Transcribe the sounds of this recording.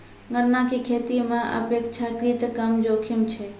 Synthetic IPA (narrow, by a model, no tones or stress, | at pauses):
ɡʱəɾnakekʰeːt̪imẽʔə̰peːkt͡ʃʰakɾit̪kəmd͡ʒoːkʰimt͡ʃʰɛ